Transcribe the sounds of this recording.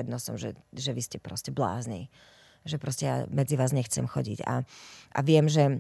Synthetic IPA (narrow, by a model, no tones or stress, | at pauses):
ɛd̪nɔsɔmʒɛ̰ʒɛʋiscɛpɾɔscɛbla̰ːznḭː | ʒɛpɾɔscɛja̰mɛd͡ziʋaːzɲɛxt͡sɛ̰mxɔɟḭɟa̰ʔa̰ʋɪɛmʒɛ